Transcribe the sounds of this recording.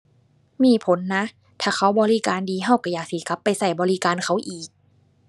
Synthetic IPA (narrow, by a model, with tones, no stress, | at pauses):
miː˧˥˩pʰo˨˦nːa˦˥ | t̪ʰaː˨˩xʰa˧˥wbɔː˧li˦˧˨kaː˧ndiː˨˧ɦa˧˩wka˧˩jaː˨˩k̚si˧˩ka˧˦˥pːa˧jsa˧˩jbɔː˧li˦˧˨kaː˧nkʰa˧˥˩wʔiː˨˩k̚